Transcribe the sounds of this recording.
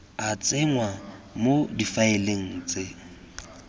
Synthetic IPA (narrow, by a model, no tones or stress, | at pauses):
at͡sʼɪŋwamodifaɪleŋ̩ːt͡sʼɪ